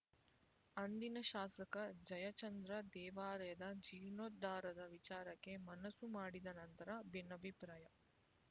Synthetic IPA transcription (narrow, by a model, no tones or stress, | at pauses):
ɐnd̪inɐʃaːsɐkɐd͡ʒɐjɐt͡ʃɐnd̪ɾɐd̪ɛːʋaːɾɐjɐd̪ɐd͡ʒiɾnoːt̪ːaːɾɐd̪ɐʋit͡ʃaːɾɐkːe̞mɐnɐsumaːɽid̪ɐnɐnt̪ɐɾɐbinːɐbʱipɾaːjɐ